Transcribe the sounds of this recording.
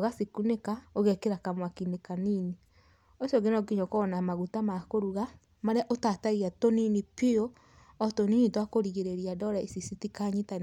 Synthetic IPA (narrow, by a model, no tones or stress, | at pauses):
oɣasikunekaoɣɛkeɾakamwakinekanini | oʃɔɡenɔɡiɲɔkɔnamaɣutamakoɾuɣa | maɾaʔotataɣiatoninipio | ɔtoninitwakoɾiɣeɾeɾiadɔɾaesisitikaɲitan